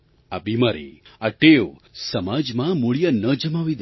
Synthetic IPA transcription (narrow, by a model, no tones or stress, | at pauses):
abimaɾḭaʈeʋosəmad͡ʒmãmuɭijənəd͡ʒəmaʋid̪